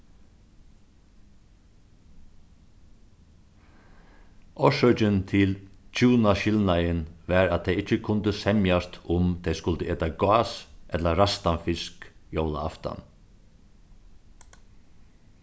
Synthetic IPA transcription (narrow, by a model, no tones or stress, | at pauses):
ʔɔʂœt͡ʃənt̪ʰɪlt͡ʃʰuːnaʃɪlnajənʋaɾat̪̚ʰːɛɪɪt͡ʃːəkʰʊnt̪əsɛmjast̪ʰʊmt̪ʰɛjskʊlt̪əeːt̪aɡɑːsʔɛt̪ləɾast̪anfɪskjowla̰a̰ft̪a̰n